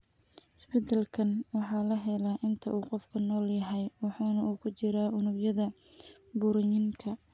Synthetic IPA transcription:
ɪsbɛt̪ʰɐlkʰɐnwɑħɑːlɐɦɛlɐʔɪnt̪ʰɐ̰ʔuːqɔfkʰɐnɔːljɐɦɛjwɑħɑːnɐuːkʰʊt͡ʃɪɾaːʊnʊɡjɐðɐbʊɾɪɲɪŋkʰɐ

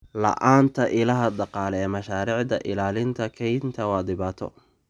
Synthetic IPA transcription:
lɐ̰ʔaːnt̪ʰɐʔɪlɐɦɐd̪ɑqɑːlɛɛːmɐʃaːɾiːʕd̪ɐʔɪlaːlɪnt̪ʰɐkʰɛjnt̪ʰɐwɑːd̪ɪβaːt̪ʰɔ̰

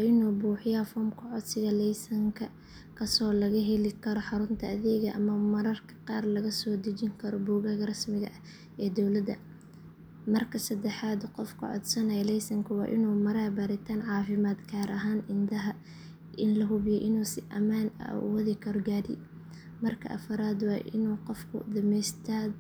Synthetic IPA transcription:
wːʔɪnuːbuːħɪjɐfɔːmkʰʊʕɔd̪sɪɣɐlɛjsɐŋkʰɐ | kʰɐsɔːlɐɣɐɦɛlɪkʰɐɾɔħɑɾʊnt̪ʰɐɐðɛːɣɐʔɐmɐmɐɾɐrkʰɐ̥qɑːrlɐɣɐsɔːd̪ɐt͡ʃɪŋkʰɐɾɔbuːɣɐɣɐrɐsmɪɣɐ̰ | ɛːd̪ɔwlɐd̪ɐ̰ | mɐrkʰɐsɐd̪ɛħaːd̪qɔfkʰʊ̰ʕɔ̰d̪sɐnɛjlɛjsɐŋkʰʊwɑ̰ːʔɪnuːmɐɾaːbaɾɪt̪ʰaːnʕɑːfɪmaːd̪kʰaːɾʔɐɦaːnʔɪnd̪ɐɦɐ | ʔɪnlɐɦʊβɪjɛʔɪnuːsɪʔɐmaːnɐ̰wɐðɪkʰɐɾɔɡaːɾɪ̰ | mɐrkʰɐ̰ʔɐfɐɾaːd̪wɑːʔɪ̰nuːqɔfkʰʊ̰d̪ɐmɛjst̪ʰaːd̪

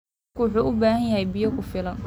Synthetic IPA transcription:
kʊwʊħuːʔʊbaːhɐnjɐɦɛjbɪjɐkʰʊfɪlɐn

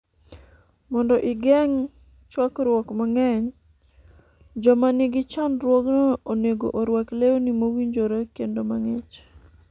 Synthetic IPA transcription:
mɔndɔʔɪɡɛŋ | t͡ʃwakɾwɔkmaŋɛɲ | d͡ʒɔmanɪɡɪt͡ʃandɾwɔɡnɔoneɡo̰ʔoɾwakleonimowiɲd͡ʒoɾakendomaŋɛt͡ʃ

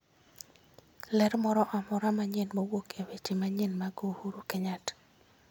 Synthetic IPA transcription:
lɛɾmɔɾɔʔamɔɾamaɲɪnmowokewet͡ʃemaɲɪnmaɡohuɾukeɲat

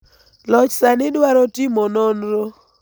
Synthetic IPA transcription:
lɔt͡ʃsanɪdwaɾɔtɪmɔnɔnɾo

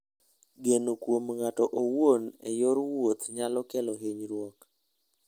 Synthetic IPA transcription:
ɡenokwomŋatɔʔowonɛ̰joɾwot̪ɲalɔkɛlɔɦeɲɾwɔk

